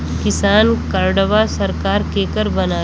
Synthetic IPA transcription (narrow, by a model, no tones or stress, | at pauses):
kɪsaːnkəɾɖəʋasɐɾkaːɾkeːkəɾbɐnaː